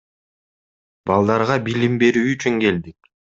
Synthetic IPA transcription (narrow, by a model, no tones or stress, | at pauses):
bɑlˠd̪ɑɾʁɑbilimbe̞ɾyːt͡ʃyŋke̞ld̪ik̚